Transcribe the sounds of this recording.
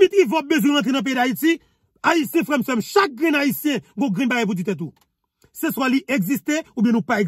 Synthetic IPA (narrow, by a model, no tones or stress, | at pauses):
ĩt̪ĩvɔbezwɛ̃ʁɐ̃t̪ʁenɐ̃p̬eidaiti | aisjɛ̃fʁɛmsɛmʃak̚ɡʁɛ̃naisjɛ̃ɡõɡʁɛ̃nbajɛp̬ut̬it̪ɛ̃t̪̬u | seswãliʔɛɡzist̪eubjɛ̃nũpaɛ